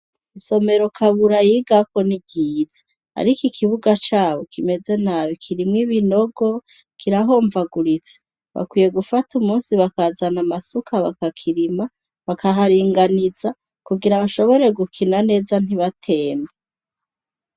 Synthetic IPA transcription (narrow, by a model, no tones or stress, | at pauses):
iso̞me̞ɾo̞kʰaβuɾajiɡako̞nibɟiːz̥e | a̰ɾikikʰiβuɡat͡ʃaːβo̞kime̞ze̞naːβikʰiɾimŋiβino̞ɡo̞ | kiɾaɦo̞ːɱvaɡuɾit͡se̥ | βa̰kwije̞ɡufatumuːnsiβakazanamasukʰaβakakʰiɾima | βakaɦaɾiːŋɡaniza | kuɡiɾaβaʃo̞βo̞ɾe̞ɡukʰinane̞ːzan̥iβatʰe̞ːme